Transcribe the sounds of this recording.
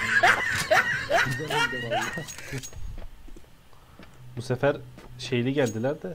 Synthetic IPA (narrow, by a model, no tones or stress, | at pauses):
busefæɾʃejilʲiɟælʲd̪ilʲæɾd̪ɛ